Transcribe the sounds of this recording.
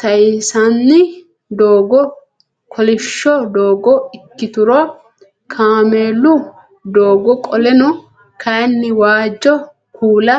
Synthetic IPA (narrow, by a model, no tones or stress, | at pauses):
t̪ɐɪsɐnːɪ | d̪oːɡɔ | kʰɔlɪʃːɔd̪oːɡɔɪkːɪt̪ʊɾɔ | kʰaːmeːlʊ | d̪oːɡɔkʼɔlɛnʊ | kʰɐjnːɪwaːd͡ʒːɔ | kuːlɐ